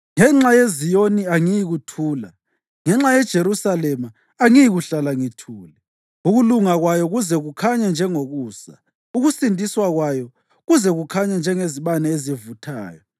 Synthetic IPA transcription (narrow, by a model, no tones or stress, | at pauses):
ŋɛŋ͡ǁajezijoniaŋijiɣutʰuːla̰ | ŋɛŋ͡ǁajɛd̥ʒ̥ʱeɾusalɛmaː | ŋijiɣuɬalaŋitʰuːlɛ | uɣuluŋaɣwajɔɣuzɛɣukʰaɲɛnd͡ʒʱɛŋoɣuːsa̰ | uɣusintʼiswaɣwajɔ | ɣuzɛɣukʰaɲɛnd͡ʒʱɛŋeziβanɛezivutʰa̰ːjɔ